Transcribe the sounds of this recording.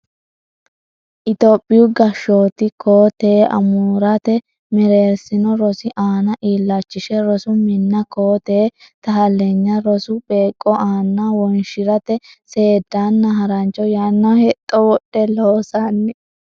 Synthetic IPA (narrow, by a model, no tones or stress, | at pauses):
ʔɪt̪oːpʼːɪjʊɡɐʃːo̞ːt̪ɪkʰoːt̪eːʔɐ̰muːɾɐt̪ɛ | mɛɾe̞ːɾsɪnɔɾɔsɪʔaːnɐʔiːlːɐt͡ʃːɪʃɛɾɔsʊmɪnːɐkoːt̪eː | t̪ɐɦɐlːeɲːɐɾɔsʊbe̞ːkʼːɔʔaːnːawɔnʃɪɾɐt̪ɛse̞ːd̪ːaːnːɐɦɐɾɐnt͡ʃʼːɔjaːnːɐhɛt̪ʼːɔwɔɗːɛloːsanːɛ